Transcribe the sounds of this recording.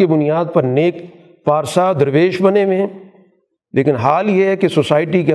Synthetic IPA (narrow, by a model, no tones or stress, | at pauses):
ebʊnijaːd̪̚pɐɾneːk | paːɾsad̪ɐɾʋeːʃbɐnemẽ | leːkɪ̃nɦaːljeɦɛkesosaːɪʈikẽ